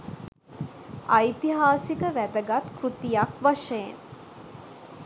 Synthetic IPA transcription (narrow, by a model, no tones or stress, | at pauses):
ajt̪iɦaːsikəʋæd̪əɡat̪krut̪ijakʋaʃəjen